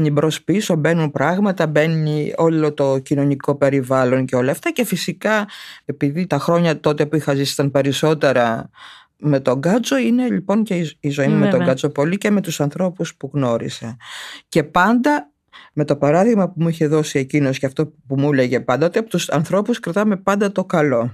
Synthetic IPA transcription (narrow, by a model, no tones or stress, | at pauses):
nibɾo̞spisobe̞nunpɾɐɣmɐt̪ɐbe̞nio̞lo̞t̪o̞cino̞niko̞pe̞ɾivɐlo̞nce̞o̞lɐːft̪ɐce̞fisikɐe̞piðit̪ɐxɾo̞ɲɐt̪o̞t̪e̞puixɐzisi̥t̪ɐnpe̞ɾiso̞t̪e̞ɾɐ | me̞t̪o̞ŋɡɐt͡so̞ine̞ʎipo̞nceizo̞imumet̪oɡɐt͡so̞po̞lice̞me̞t̪usɐnθɾo̞puspuɣno̞ɾḭsece̞pɐnd̪ɐ | me̞t̪o̞pɐɾɐðiɣmɐpumuiçe̞ðo̞sie̞cino̞sceɐft̪o̞pumule̞ʝe̞pɐnd̪ɐot̪iɐpot̪usɐnθɾo̞puskɾɐt̪ɐme̞pɐnd̪ɐt̪o̞kɐlo̞